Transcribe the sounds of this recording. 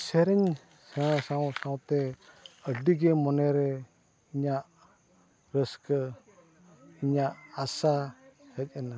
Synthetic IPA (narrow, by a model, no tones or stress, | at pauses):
sɛɾɛɲ | sasawsawt̪ɛəɖiɡɛmɔnɛɾɛ | iɲaʔ | ɾəskə | iɲaʔasahəc̚ˀəna